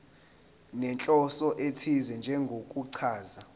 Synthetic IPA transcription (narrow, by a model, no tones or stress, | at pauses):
nɛnt͡ɬʼɔsɔʔetʰizɛnd͡ʒʱɛŋɡʱokʼuǀʰaːza